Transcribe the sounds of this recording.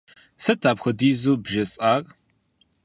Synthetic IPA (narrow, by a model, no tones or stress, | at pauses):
sɐtʰaːbxʷɐdiːzuːbʒɐsʼaːr